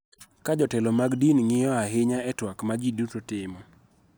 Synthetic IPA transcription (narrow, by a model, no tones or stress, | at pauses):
kad͡ʒɔtɛlɔmaɡdinŋɪjɔaɦɪɲaɛtwakmad͡ʒidutotɪmɔ